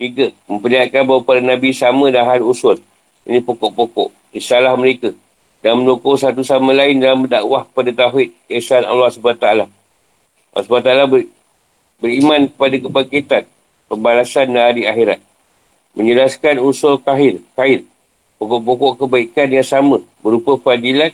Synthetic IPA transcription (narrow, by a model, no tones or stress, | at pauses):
d͡ʒikəmə̃mpəliat̪̚kanbawapadanãbisamə̃daɦanusʊl | inĩpokoʔpokɔ̰ʔ | isalahməɾeka | damə̃nukosat̪̬usamãlaɪndalamədaʔwahkəpadat̪aɦɪt̪̚kisana̰lːɑhsubat̪aala | a̰lːɑ̰sbat̪aalab | bəɾimãnkəpadakəpaket̪an | pəmbalasanːaaɾiaxiɾat̪̚ | mə̃ɲd͡ʒəlaskanusʊlkaɦɪrkaɪr̚ | pokɔʔpokɔʔkəbaikanjaŋsamə̃ | bəɾupafadilan